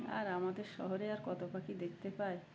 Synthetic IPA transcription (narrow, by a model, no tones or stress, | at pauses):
a̰ɾamad̪eɾʃɔɦoɾeaɾkɔt̪opakid̪ekʰt̪epae